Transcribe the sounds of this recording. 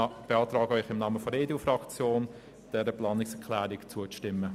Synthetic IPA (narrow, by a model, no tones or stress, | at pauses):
b̥eɑːt̪ɾɑːɡəœʏχɪmnɑːməfɔɾeːdeufɾɑkt͡sjoːn | d̥ɛɾəplɑːnɪksɛkʰlæːɾɪkt͡suətɪmːə